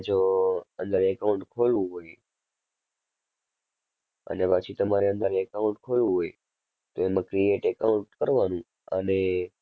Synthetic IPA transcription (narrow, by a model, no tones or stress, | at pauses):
d͡ʒoə̃nd̪əɾekaʊ̃ɳʈkʰolʋũɦoj | ə̰nepat͡ʃʰit̪əmaɾiə̃nd̪əɾɛkaũɳʈkʰolʋũɦoj | t̪oeməkɾieʈekaʊ̃ɳʈkəɾʋanũ | ə̰ne